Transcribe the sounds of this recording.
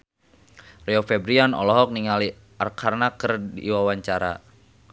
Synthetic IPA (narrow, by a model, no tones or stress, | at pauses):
rɛɔfɛbɾianɔ̰lɔɦɔk̚niŋali | arkʰarnakərdḭwawaɲt͡ʃaɾa̰